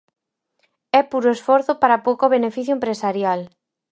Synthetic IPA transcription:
ɛpuɾoesfɔɾθʊpaɾapowkoβenefiθjoempɾesaɾjal

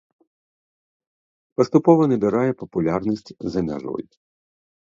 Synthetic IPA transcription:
pɐst̪ʊpɔʋɔnɛbʲɪɾajɛpɐpʊlʲarnʲisʲtʲzɐmʲa̰ʐɔ̰j

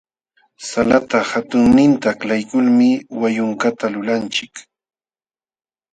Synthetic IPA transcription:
salat̪ahat̪ʊŋnɪnt̪aːklajkʊlmɪwajʊŋkat̪alʊlant͡ʃɪk

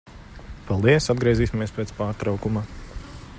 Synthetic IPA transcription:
palˠd̪iɛsad̪ɡɾiɛziːsʲimiɛspeːt̪spaːɾt̪ɾawkuma

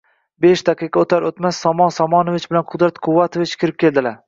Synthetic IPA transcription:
beʃd̪aqʰɨqʰɑot̪ʰaɾot̪masːɒmɒnsɒmɒnovɪt͡ʃbɪlanqʰʊd̪ɾat̪qʰʊvːat̪ʰovɪt͡ʃkʲʰɪɾɪp̚kʲe̞ld̪ɪlaɾ

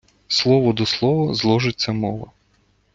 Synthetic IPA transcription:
slˠɔʋɔd̪ɔslˠɔʋɔzlˠɔʒɪt͡sʲːɐmɔʋɐ̰

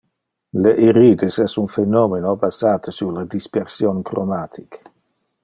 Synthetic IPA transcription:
leʔiɾiːd̪esɛsunfenomenobazaːt̪ʰəsulad̪ispeɾsjonkromaːt̪ʰik

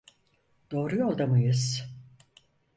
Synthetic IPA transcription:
d̪̥o̞ːɾujolˠd̪amɯjɯz̥

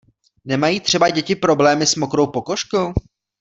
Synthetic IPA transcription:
nɛmajiːt̪r̝̥ɛbaɟɛcɪpɾo̞blɛːmɪsmokɾo̞wpoko̞ʃkow

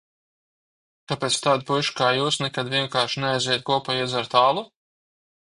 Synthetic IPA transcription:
kapeːt̪st̪aːd̪̚pujʃkaːjuːsnɛkad̪vʲiɛŋkaːɾʃinɛajzʲɛːjt̪̚kuɔpajiɛzaɾt̪aːlˠu

